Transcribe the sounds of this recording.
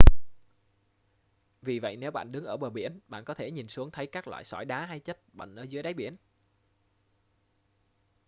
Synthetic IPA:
vi˨˩və̰˧˨jne˨˦wɓa̰ː˧˨nɗɨ˨˦ŋʔəː˧˩ɓəː˨˩ɓi˧˩ənɓa̰ː˧˨nkɔ˨˦t̪ʰe˧˩ɲi˨˩nsɨ˨˦əŋt̪ʰə˨˦jkaː˦˥k̚lwa̰ː˧˨jsɔ˧˩jɗaː˨˦ɦa˧jt͡ɕə˦˥t̚ɓə̰˧˨ŋ̟ʔəː˧˩zɨ˨˦əjɗaː˨˦jɓi˧˩ən

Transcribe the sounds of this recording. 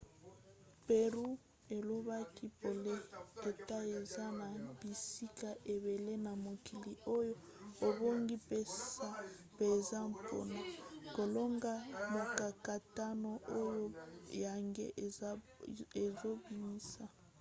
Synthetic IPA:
pe˨ʁu˦ | e˨lo˦βa˦ki˦po˨le˦e˨ta˦e˨za˦na˨bi˨si˦ka˨ʔe˨βe˨le˦na˨mo˨ki˨li˨o˦jo˦ | o˨bo˦ŋɡi˦pe˦ssa˦ | peː˨za˦m˨po̰˦na˨ko˨lo˦ŋɡa˦mo˨ka˨ka˨ta˦no˨o˦jo˦ja˨ŋɡḛ˦ | e˨zo˦bi˨mi˦sa˦˨

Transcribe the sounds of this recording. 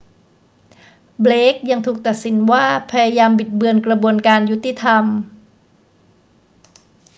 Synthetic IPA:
bleː˦˥k̚ja˧ŋt̪ʰuː˨˩k̚t̪a˨˩t̪̚si˩˦nwaː˥˩pʰa˧ja˧jaː˧mbi˨˩t̪̚bɯ˧ənkɾa˧bu˧ənkaː˧nju˦˥t̪ːi˧˨˩t̪ʰa˧m

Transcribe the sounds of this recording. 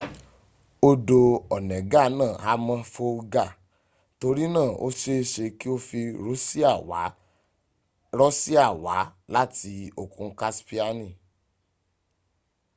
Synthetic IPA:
o˧do˧ɔ˨nɛ̃˨ɡa˦nãː˦˨a˨˦mã˧fo˧ɡa˦˨ | to˧ɾi˦nãː˦˨o̰˦ʃe˦e˧ʃe˧ki˦o˧fi˧ɾo˦si˦˨wa˨˦ | ɾɔ˦si˦a˦˨wa˨˦la˦ti˧o˨kũ˧ka˦spi˦a˧nĩ˦˨

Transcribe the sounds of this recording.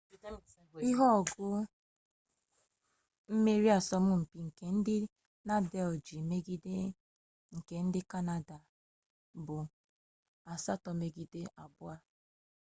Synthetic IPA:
i˦ɦɔ˦ɔ˨ɡʊ˦ | m̩˦me˦ɾi˦a˨sɔ˦mʊ˦m̩˨pi˨ŋ̩˨ke˨n̩˦dɪ˦ | na˦dɛ˦ld͡ʒi˨me˦ɡi˦de˦ | ŋ̩˨ke˨n̩˦dɪ˦ka˦na˦da˨ | bʊ˨ | a˨sa˦tɔ˨me˨ɡi˦de˦ʔa˨bʊ˦a˦

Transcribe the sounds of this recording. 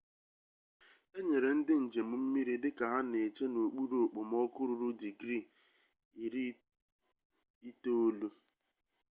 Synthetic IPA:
e˦ɲe˨ɾe˨n̩˦dɪ˦n̩˨d͡ʒe˨mu˦m̩˦mi˦ɾi˦dɪ˦ka˨ɦa˦ne˨t͡ʃe˦no˨k͡pu˦ɾo˨k͡po˨mɔ˦kʊ˦ɾʊ˨ɾʊ˦di˨ɡɾi˦˨ | i˨ɾi˦ | i˦to˦o˦lu˦

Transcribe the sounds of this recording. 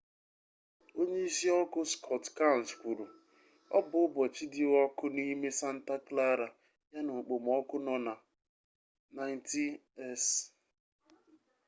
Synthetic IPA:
o˦ɲe˦i˦si˦ɔ˦kʊ˦skʰɔ˦˨tka˦˨n̩˨skʷu˨ɾu˨ | ɔ̰˦bʊ˨ʊ˦bɔ˨t͡ʃi˦dɪ˦ɔ˦kʊ˦ni˦me˦sa˦n̩˦ta˦kla˦ɾa˨ | ja˦nʊ˨k͡po˨m˨ɔ˦kʊ˦nɔ˨na˨ | na˨ɪ˨˦n˦ti˦ɛ˦˨s

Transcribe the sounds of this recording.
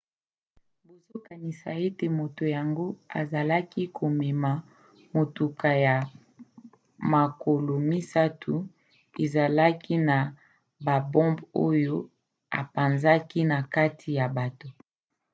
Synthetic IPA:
bo˨zo˦ka˨ni˨sa̰˨e˦te˨mo˨to˨ja˨ŋɡo˦a̰˨za˨la˦ki˦kʰo˨me˨ma˨ | mo˨tu˨ka˨ja˨ | ma˨ko˨lo˨mi˦sa˦tʰu˨ | e˨za˨la˦ki˦na˨ | ba˨bɔ̃˦mbo˦jo˦ | a̰˨pa˨nza˦ki˦na˨ka˦tʰi˨ja˨ba˨to˦

